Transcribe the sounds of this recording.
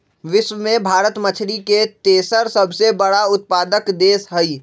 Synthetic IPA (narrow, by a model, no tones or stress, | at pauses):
ʋɪʃwəmẽbʱaːɾət̪mət͡ʃʰɾiket̪eːsəɾsɐbʱsebɐɽaʊt̪̚paːd̪əkd̪eːsɦɛi